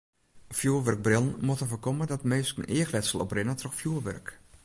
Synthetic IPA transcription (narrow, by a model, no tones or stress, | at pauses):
fjuːʋørɡ̚brɪlˠn̩motəfəkɔmədɔtmeːsknʔɪəxlɛtsəlˠɔprɪnətʰrɔxfjuəʋœ̰rk